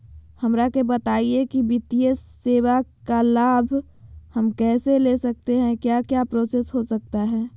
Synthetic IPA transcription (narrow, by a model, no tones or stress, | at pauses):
hɐmɾakebɐt̪aːiekiʋɪt̪ijəseːwakalaːbʱ | həmkɛːselesɐk̚t̪eɦɛ̃kjaːkjaːpɾoːsesɦosɐk̚t̪aɦɛː